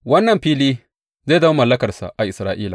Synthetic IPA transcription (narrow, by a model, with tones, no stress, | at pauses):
wɐ˦nːɐ˨mɸiː˦liː˦ | za˦˨da˦a˦mɐ˨lːɐ˦kɐ˨rsa̰˨ʔa˨ʔɪ˨sɾaː˦ʔiː˦la˨